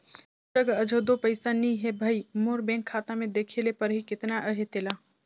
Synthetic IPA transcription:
t͡ʃɐɡəd͡ʒʱod̪oːpəɪsanĩɦebʱaimoːɾbɛ̃ːŋkʰːaːt̪amẽd̪eːkʰelepəɾɦikɪt̪naʔəɦet̪ɪla

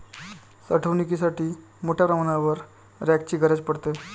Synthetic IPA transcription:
səʈʰəʋnikisaʈʰiː | moʈʰjapɾəmaɽ̃aʋəɾ | ɾæk̚t͡ɕiːɡʱəɾəd͡ʑpəɽt̪e

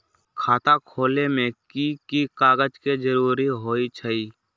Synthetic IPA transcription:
kʰaːt̪akʰoːlemẽkikikaːɡəd͡ʒked͡ʒəɾuːɾiɦoːit͡ʃʰəiː

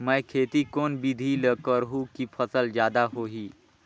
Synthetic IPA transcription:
mɛːkʰeːt̪ikoːnbid̪ʱiləkəɾɦũkipʰəsəld͡ʒjaːd̪aɦoːɦiː

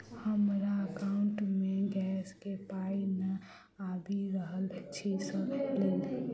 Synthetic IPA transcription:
həmɾaəkaʊɳʈmẽɡɛːskepaːinə | ad̪ʱiɾəɦəlt͡ʃʰisəlel

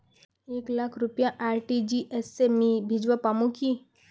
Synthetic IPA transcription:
eːklakʰɾupjãʔaːɾʈid͡ʒiʔesemibʱid͡ʒʋapamũki

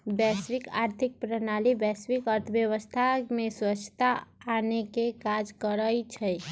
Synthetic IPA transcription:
bɛswika̰ɾt̪ʰik̚pɾənalibɛsʋikəɾt̪ʰəbjəwəst̪ʰamẽswət͡ʃʰːt̪aːnekekad͡ʒkəɾəjt͡ʃʰəj

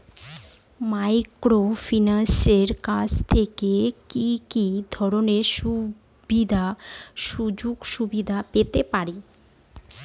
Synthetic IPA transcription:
majkɾofinanseɾkad͡ʑt̪ʰekekikid̪ʱɔɾoneɾʃu | bid̪ʱaʃud͡ʑuɡʃubid̪ʱapet̪epaɾi

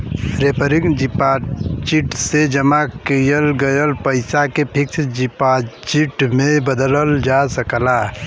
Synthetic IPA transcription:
ɾepəɾɪŋd͡ʒipat͡ʃiʈsed͡ʒəmakijəlɡəjəlpəɪsakepʰɪksd͡ʒipat͡ʃiʈmẽbəd̪ələld͡ʒasəkla

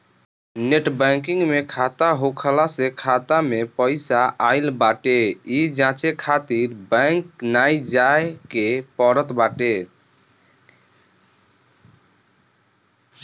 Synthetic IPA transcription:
neʈbə̃k̬iŋɡmekʰat̪aɦokʰəlasekʰat̪amepəɪsaʔaɪlbaʈeid͡ʒãt͡ʃekʰat̪iɾbə̃ŋknajd͡ʒaekepəɾət̪baʈe

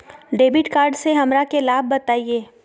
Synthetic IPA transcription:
ɖeːbɪʈkaːɾɖseɦɐmɾakelaːb̚ːɐt̪aːieː

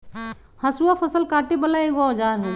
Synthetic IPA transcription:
hɐsuwafʰɐsəlkaːʈibɐlaeɡad͡ʒaːɾɦɛː

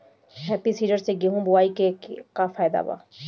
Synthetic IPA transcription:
ɦɛːpisiːɖəɾseɡiɦũbʊaːikekafaːjd̪a̰ba̰ː

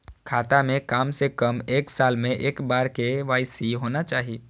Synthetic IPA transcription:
kʰaːt̪amẽkaːmsekəmeːksaːlmẽʔeːkbaːɾkeʋaːɪsiɦoːnat͡ʃaːɦi

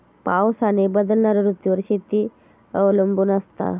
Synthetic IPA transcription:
pawsanebəd̪əlnaɾɾut̪juʋəɾɕit̪iː | əʋləmbuːnəst̪a̰

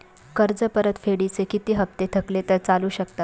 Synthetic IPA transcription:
kəɾd͡zəpəɾət̪feɽit͡sekit̪iːɦəp̚t̪et̪ʰəklet̪əɾt͡saluːɕəkt̪at̪

